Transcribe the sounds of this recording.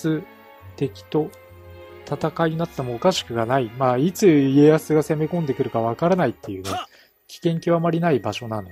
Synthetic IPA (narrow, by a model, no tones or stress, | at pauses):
sɨ | t̪e̞kʲi̥t̪o̞ | t̪ʰat̪akaiɲ̟inat̪ːe̞mo̞ːkaɕi̥kɯ̟ɡanaimaːit͡sɨie̞jasɨɡase̞me̞kõ̞nd̪e̞kɯ̟ɾɯ̟kaβakaɾanait̪ːe̞jɯ̟ːɡ̪a | kʲi̥kẽ̞ŋkʲioamaɾʲinaibaɕo̞nano